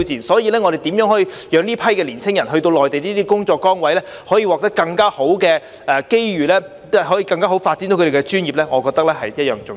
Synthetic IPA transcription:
t͡siː˨nsɔː˨˥jiː˨˧lɛː˥ŋɔ˨˧d̪e˨˩jt̪iː˨˥mjœː˨˥ŋɦɔ˨˥iː˧jœː˨˧ŋnliː˥pʰɐ˥jkɛː˧liː˨˩nsʰɪ˥ŋjɐ˨˩nɦɵ˧ɥt̪̬o˧wlɔː˨jt̪e˨jniː˥t̪iː˥kʊ˥ŋt͡ʃɔː˧kːɔː˥ŋwɐ˨˥jlɛː˥hɔː˨˥jiː˧wɔː˨k̚t̪ɐ˥kːɐ˧ŋkaː˥ho˨˥wkɛː˧ | ʔɛː˨˩ke˥jɥyː˨˩lɛː˥ | ɛ˥ɦɔː˨˥jiː˧kɐ˧ŋkaː˥ɦo˨˥wfaː˧t̚t͡si˨˥t̪o˧˦kʰe˨˩˧ɛ˧t͡ʃyː˥njiː˨˩p̚lɛː˥ŋɔː˨˧kɔː˧k̚t̪ɐ˥k̚lɛː˥hɐ˨jjɐ˥t̚jœː˨ŋt͡sʊ˨

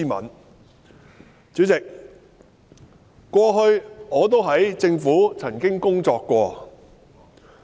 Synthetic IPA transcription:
iː˥mɐ̰˨˥n | t͡sy˨˥t͡sɪ˨k̚ | kːʷɔː˧ɦɵ˧ɥŋɔː˨˧t̪o˥wɦɐ˨˥jt͡sɪ˧ŋfuː˨˥t͡sʰɐ˨˩nkɪ˥ŋkʊ˥ŋt͡sɔː˧kːʷɔː˧

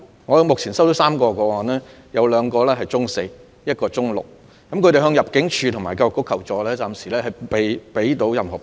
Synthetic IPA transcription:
ŋɔː˨˧mʊ˨k̚ʰiː˨˩nsa˥wt̪o˨˥wsaː˥mkɔː˧kɔː˧wɔː˨˩nɛː˥ | jɐ˨˧wlœː˨˧ŋkɔː˧lɛː˥ɦɐ˨jt͡sʊ˥ŋse˧j | jɐ˥t̚kɔː˧t͡sʊ˥ŋlʊ̰˨k̚ | kɐ˦mkʰɵ˧tɾe˨jɦœː˧ŋjɐ˨p̚kɪ˨˥ŋt͡ʃʰyː˧t̪ʰʊ˨˩maː˨˩jkaː˧jʊ˨kːʊ˥kʰːɐ˨˩wt͡sɔː˨lɛː˥t͡saː˧msiː˨˩lɛː˥hɐ˨˩jpe˨˧jpe˨˥jt̪o˨˧˥wjɐ˨mhɔː˨˩

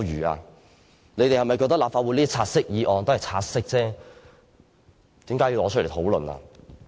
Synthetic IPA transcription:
ɥyː˨˩a̰ː˧ | ne˨˧jt̪e˨jhɐ˨jmɐ˨jkɔː˧kt̪̚laː˨pfaː˧wuː˨˧˥liː˥t̪i˥t͡sʰaː˧t̚sɪ˥k̚jiː˨˧ʔɔː˨ŋnt̪oː˥ɐ˨˩t͡sʰaː˧t̚sɪ˥k̚t͡sɛː˥ | t̪iː˨˥mkaː˨˥ji˧wlɔː˨˧t͡ʃʰle˨˩t̪ʰo˨˥wlɵ˨na̰ː˧

